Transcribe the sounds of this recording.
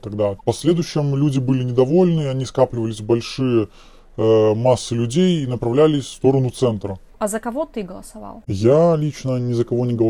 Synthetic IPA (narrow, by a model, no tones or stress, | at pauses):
t̪ɐɡ̚d̪apɐsʲlʲe̞d̪ʊjʊɕːɪmlʲudʲɪbɨlʲɪnʲɪd̪ɐvo̞lʲnɨɐnʲiskaplʲɪvəlʲɪsʲbɐlʲʂɨjə | masːɨlʲʉdʲejinəpɾɐvlʲælʲɪfst̪o̞ɾənʊt̪sɛnt̪ɾə | ɐzəkɐvot̪ɨɡəlˠəsɐva̰lˠjalʲit͡ɕnənʲɪzəkɐvonʲɪɡəlˠ